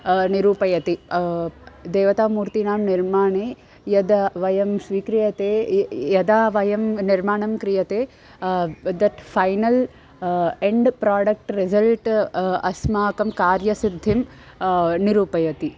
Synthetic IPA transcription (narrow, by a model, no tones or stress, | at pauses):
niɾuːpɐjɐt̪i | d̪eːʋɐt̪aːmuːɾt̪inaːmniɾmaːɳeː | jɐd̪ɐʋɐjɐmsʋiːkɾijɐt̪eːjɐd̪aːʋɐjɐmniɾmaːɳɐmkɾijɐt̪eː | d̪ɐʈfʰɐjnɐl | eɳɖpɾaːɖɐk̚ʈɾizɐlʈɐsmaːkɐmkaːɾjɐsid̪ʱːim | niɾuːpɐjɐt̪i